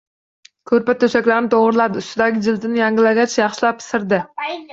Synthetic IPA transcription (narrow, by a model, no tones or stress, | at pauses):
kʲʰɵɾpat̪ʰɵʃakʲlaɾnɪt̪ʰoʁɾlˠad̪ɪʊst̪ɪd̪aɡʲɪd͡ʒɪlt̪ʰɪnɪjaŋɡʲɪlaɡʲat͡ʃjɑχʃɪlapsɪɾd̪ɪ